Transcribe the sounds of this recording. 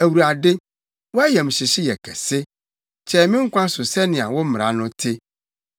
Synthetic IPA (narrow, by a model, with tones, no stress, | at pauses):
æ˨wu˨ɾa˨dɪ˦ | wɔ˦æ˦jɛ˨m̩˨ɕɪ˨ɕɪ˦jɛ˨kʰɛ˨sɪ˦ | t͡ɕʰɛ˦˨mɪ̃˦ŋ̩˦kʷʰã˦sʊ˨sɛ˦nɪ̃˨a̰˨wɔ˦m̩˦˨ɾa̰˨˦nʊ̃˦tʰɪ˦